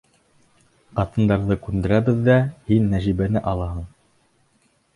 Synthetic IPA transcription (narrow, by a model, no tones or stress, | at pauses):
qɑt̪ɤ̆nd̪ɑɾðɤkʉnd̪ɘ̆ɾæβɘ̆ðːæhinːæʒiβænɘʔɑlˠɑɦɤɴ